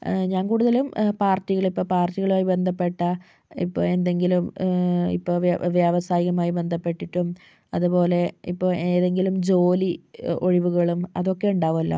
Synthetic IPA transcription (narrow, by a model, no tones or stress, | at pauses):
ɲaːnkuːɽuðɐlumpaːrtːiɣɐɭipːoːpaːrtːiɣɐɭumaːjibe̞nd̪ʱɐpːe̞ʈːɐ | ḭpːo̰ːe̞nd̪e̞ŋɡilumḭpːoːʋjɐʋɐsaːjiɣɐmaːjibe̞nd̪ʱɐpːe̞ʈːiʈːum | ɐðupo̞ːle̞ipːoːeːðe̞ŋɡilumd͡ʑo̞ːlio̞̰ɻiʋuɣɐɭumɐðo̞kːe̞uɳɖaːʋumɐlːɐ̰